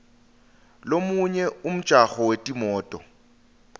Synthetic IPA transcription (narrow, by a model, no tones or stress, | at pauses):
lomuɲɛum̩̥ʒ̥ʱaɣɔwetʼimɔːtʼɔ